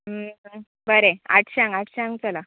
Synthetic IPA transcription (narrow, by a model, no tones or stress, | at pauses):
ɦəɦə | bəɾea̰ʈʰɕãŋɡaʈʰɕãŋɡt͡sala